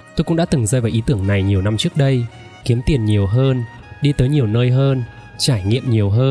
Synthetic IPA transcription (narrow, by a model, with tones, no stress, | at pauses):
t̪o˧jkʊ̰˧˥ŋ͡mɗa̰ː˧˥t̪ɨ˨˩ŋzəː˧vaː˨˩wʔi˨˦t̪ɨ˧˩əŋna˨˩jɲi˨˩əwna˧mt͡ɕɨ˦˥ək̚ɗə˧j | ki˨˦əmt̪i˨˩ənɲi˨˩əwɦəː˧n | ɗi˧t̪əː˨˦jɲi˨˩əwnəː˧jɦəː˧n | t͡ɕaː˧˩jŋḭ˧˨əmɲi˨˩əwɦəː˧n